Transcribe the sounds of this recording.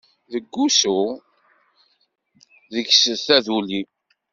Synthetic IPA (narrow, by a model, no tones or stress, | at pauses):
ðəɡːusu | ðəçsθæðuli